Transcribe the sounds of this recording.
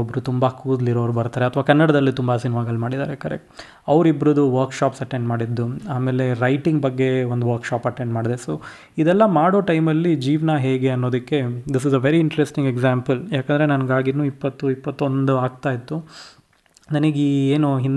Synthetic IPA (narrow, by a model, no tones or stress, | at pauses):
obɾut̪umbɐkuːd̪liɾoːɾubɐɾt̪aːɾeɐt̪ʰʋaːkɐnːɐɽɐd̪ɐlːit̪umbɐsinmaːɡɐlmaːɽid̪a̰ːɾekɐɾɛ̰k̚ʈ | ɐʋɾibɾud̪uʋɐɾkʃaːpsɐʈeɳɖmaːɽid̪ːuaːme̞ːle̞ɾɐjʈiŋɡbɐɡːe̞ond̪uʋɐɾkʃaːpɐʈeɳɖmaːɽd̪esoː | id̪ɛlːɐmaːɽoːʈɐjmɐlːid͡ʒiːʋnaɦe̞ːɡe̞ɐnːo̞ːd̪ɐkːe̞d̪is̬izɐʋeɾiːɳʈɾesʈiŋɡeɡzaːmpɐljaːkɐnd̪ɐɾe̞nɐnɐɡaːɡinuːipːɐt̪ːuipːɐt̪ːo̞nd̪uaːɡ̚t̪aːjit̪ːu | nɐniɡieːnuɦin